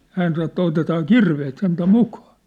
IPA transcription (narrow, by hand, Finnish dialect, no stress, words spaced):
hæːn sɑno ĕtːæ otetɑː kirʋeːt sentæ mukɑ̥ː